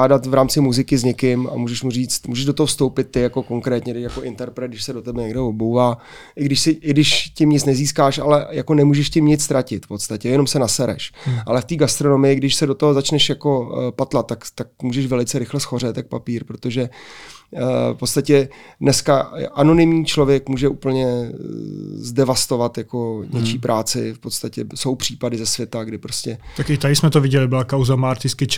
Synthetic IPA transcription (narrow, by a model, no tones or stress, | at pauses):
aːdat̪vɾaːmt͡sɪmuzɪkɪzɲɛkɪma̰muːʒɛʃmuriːt͡st̪muːʒɛʒdot̪oɦofst̪o̞wpɪt̪ːɪjako̞ko̞ŋkɾɛːt̪ɲɛdɛʃjakoʔɪnt̪ɛɾpɾɛt̪ɡdɪʃsɛdo̞t̪ɛbɛɲɛɡdɛvobowvaː | ʔɪɡdɪʃsɪʔɪɡdɪʃcɪmɲɪt͡snɛziːskaːʃa̰lɛjako̞nɛmuːʒɛʃcɪmɲɪt͡sst̪ɾʔacɪt̪fpo̞t̪t͡st̪acɛjɛno̞msɛnasɛɾɛ̰ʃʔalɛft̪iːɡast̪ɾo̞no̞mɪjɪɡdɪʃsɛdot̪oɦozat͡ʃnɛʃjako̞pat̪lat̪ːakt̪ak̚muːʒɛʃvɛlɪt͡sɛɾɪxlɛsxo̞rɛt̪jak̚papiːɾpɾot̪oʒɛ | fpo̞t̪st̪acɛdnɛskaʔano̞nɪmɲiːt͡ʃlo̞vjɛkmuːʒɛʔuːpl̩ɲɛ | zdɛvast̪o̞vat̪jako̞ɲɛt͡ʃiːpɾʔaːt͡sɪfpot̪st̪acɛso̞wpr̝̥iːpadɪzɛsvjɛt̪aɡdɪpɾo̞scɛt̪akɪt̪adɪsmɛt̪ovɪɟɛlɪbɪlakawzamaːɾt̪ɪskɪt͡ʃ